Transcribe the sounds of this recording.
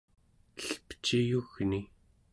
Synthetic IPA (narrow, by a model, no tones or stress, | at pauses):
əɬpə̥t͡ʃijuɣni